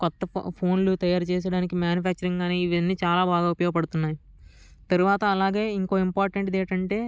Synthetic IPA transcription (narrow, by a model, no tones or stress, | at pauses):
kɔt̪ːɐ̰pʰo̞ːnlut̪ɐjaːɾut͡ʃɛːs̬ɐɽaːnikimjaːnjupʰaːk̚t͡ʃɐɾiŋɡaːneːiʋɐnːiːt͡ʃaːlaːbaːɡaːupjoːɡɐpɐɽut̪unːaːji | t̪ɐɾuʋaːt̪ɐːlaːɡeːiŋko̞ːimpaːɾʈɐɳʈd̪ɛːʈɐɳʈe̞ː